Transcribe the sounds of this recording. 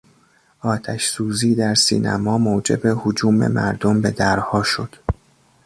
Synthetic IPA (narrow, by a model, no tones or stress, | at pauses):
ʔɒːt̪ʰæʃsuːziːd̪æɾsḭːnʔæ̰mɒːmoːd͡ʒe̞be̞hod͡ʒuːmḛmæ̰ɾd̪ombe̞d̪æɾhɒːʃo̞d̪̥